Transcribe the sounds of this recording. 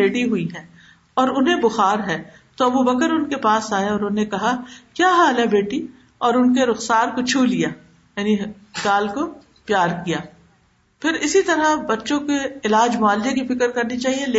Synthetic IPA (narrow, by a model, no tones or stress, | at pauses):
eːɖiɦʊiɦɛ̃ː | ɔːɾʊnɦẽbʊxaːɾɦɛː | t̪oɐbubɐkəɾʊnkepaːsaːjaɔːɾʊnːẽkɐɦakjaːɦãːlebeːʈi | ɔːɾʊnkeɾʊxsaːɾkot͡ʃʰuːlijaː | jaːni | ɡaːlko | pjaːɾkijaː | pʰɪɾɪsit̪ɐɾabɐtːʃõkeɪlaːd͡ʒmʊaːld͡ʒekifɪkəɾkɐɾnit͡ʃaːɦielː